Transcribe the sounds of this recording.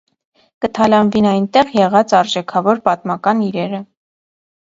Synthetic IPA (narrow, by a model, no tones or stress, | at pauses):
kət̪ʰɑlɑnvinɑjnt̪ɛʁjɛʁɑt͡sɑɾʒɛkʰɑvɔɾpɑt̪mɑkɑniɾɛɾə